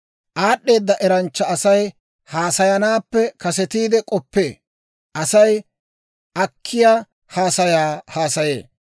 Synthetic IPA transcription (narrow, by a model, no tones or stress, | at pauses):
ʔaːɗːe̞ːd̪ːɐʔɛɾɐnt͡ʃːɐɐsɐj | haːsɐjɐnaːpːɛkɐsɛt̪iːd̪ɛkʼɔpːe̞ː | ʔɐsɐj | ʔɐkʰːɪjaː | haːsɐjaːhaːsɐjḛː